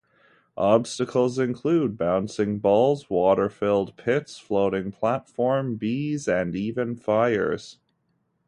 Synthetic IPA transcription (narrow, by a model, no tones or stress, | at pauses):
ʔɑb̥stɨkʰl̩ˠzɨ̃nkʰl̥ud̚bãʊ̃nsɪ̃ŋbɔlˠzwɔɾə˞fɪlˠd̚pʰɪtsfloʊɾɪ̃ŋpʰl̥ætfɔɹmbizɨ̃nivɨ̃nfaɪə̰˞z̥